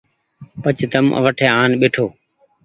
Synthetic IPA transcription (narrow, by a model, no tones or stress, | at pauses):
pət͡ʃd̪əmʔə̰ʋəʈʰeːaːnɓeːʈʰoː